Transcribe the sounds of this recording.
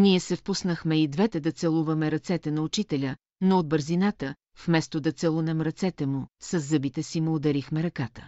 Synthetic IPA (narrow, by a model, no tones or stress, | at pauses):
niɛsɛfpusnəxmɛid̪vɛt̪ɛd̪ɐt̪sɛlˠuvɐmɛɾɐt̪sɛt̪ɛnɐʊt͡ʃit̪ɛlʲə | nood̪̚bəɾzinat̪ə | fmɛst̪od̪ɐt̪sɛlˠunɛmɾɐt̪sɛt̪ɛmusɐzːɤbit̪ɛsimod̪ɐɾixmɛɾɐkat̪ə̥